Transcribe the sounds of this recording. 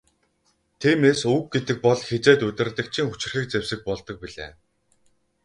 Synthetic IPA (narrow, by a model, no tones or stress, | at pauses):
t̪ʰiːmeːsuk̚ɡet̪ɘ̆k̚pɔɮxet͡seːt̪ɵt̪ʲɪ̆rt̪ɘ̆k̚t͡ɕʰiŋxu̥t͡ɕɪ̆r̥xiːk̚t͡sewsɘ̆k̚pɔɮt̪ɞ̆k̚piɮḛː